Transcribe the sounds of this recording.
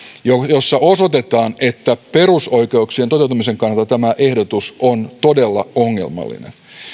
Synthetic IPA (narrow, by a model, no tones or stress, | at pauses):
jojosːɑosot̪et̪ɑːnet̪ːæpe̞rusoikeuksient̪ot̪e̞wt̪umiseŋkɑnːɑlt̪ːɑt̪æmæʔe̞hdot̪usont̪odelːɑ̰oŋːḛlmɑ̰lːḭnḛn